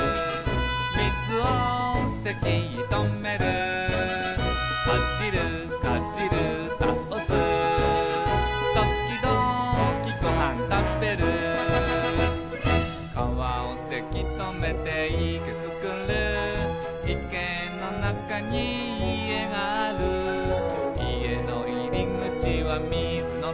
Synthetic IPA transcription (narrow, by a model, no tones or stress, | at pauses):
mitʰɯɔsekiit̪ɔŋmeɾɯ | kʌt͡ɕiɾɯ | kat͡ɕiɾɯ | t̪aʌsɯ | t̪ʌk̚t͡ɕid̪ɔkikɔɦant̪ampeɾɯ | kaβaose̞kʲit̪ome̞t̪e̞iket͡sɨkɯ̃ɾɯ | ikẽ | nːonakaɲiː | e̞ɡaaɾɯ | ie̞noiɾʲiŋɯ̟t͡ɕiβamʲi | d͡zɨno